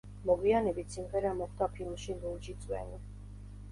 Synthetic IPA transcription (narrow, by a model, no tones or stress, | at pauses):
mɔɡwianɛbit̪ʰsimʁɛɾamɔχd̪apʰilˠmʃiluld͡ʒit̪sʼwɛ̰ni